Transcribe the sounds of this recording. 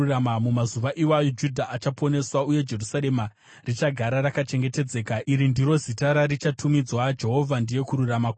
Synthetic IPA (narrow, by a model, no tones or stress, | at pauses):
ramamumazuʋaʔiwajod͡ʒudʱaʔat͡ʃapo̞ne̞swauje̞d͡ʒe̞rusaɾe̞ma | rit͡ʃaɡʱaɾaɾakat͡ʃe̞ŋɡe̞te̞d͡ze̞ːkaiɾindiɾo̞zitaɾaɾit͡ʃatʰumid͡zwad͡ʒe̞ɦo̞vʱandije̞kuɾuramak